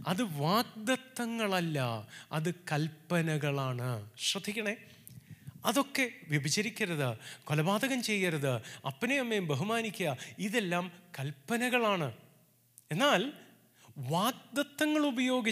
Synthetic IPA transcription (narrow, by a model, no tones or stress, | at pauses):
ɐðɨʋaːɡ̚d̪ɐt̪ːɐŋːɐɭɐlːɐɐðɨkɐlpːɐnɐɣɐɭaːɳɨɕrɐd̪ʱːikʲːɐɳe | ɐðo̞kːe̞ʋibʱɐt͡ɕɐɾikʲːɐɾɐðɨko̞lɐbaːd̪ɐɣɐmt͡ɕe̞jːɐɾɐðɨɐ̰pːɐneɐmːejmbeɦumaːnikʲːuɐiðe̞lːaːmkɐlpːɐnɐɣɐɭaːɳɨ | e̞nːaːl | ʋaːɡ̚d̪ɐt̪ːɐŋːɐɭubɐjo̞ːɡi